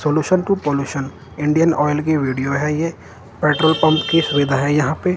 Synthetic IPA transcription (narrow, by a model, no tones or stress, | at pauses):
soːluːʃənʈupoːljuːʃən | ɪ̃ɳɖijənɔːɪlk̬iʋiːɖijoɦɛje | peːʈɾoːlpɐ̃mpkiʃʊʋɪd̪ʱaɦɛjɐɦãpe